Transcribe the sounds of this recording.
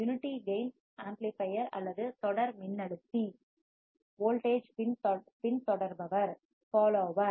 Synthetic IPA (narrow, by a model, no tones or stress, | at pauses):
jʊnɪʈːiɡɐɪns | aːmplipɐjɐɾɐ̰lːɐðɯt̪ɔɽɐɾmɪnːɐɽɯt̪ːi | ʋoːlʈeːd͡ʒpɪnpɪnt̪ɔɽɐɾbɐʋɐɾ | faːloːʋɐ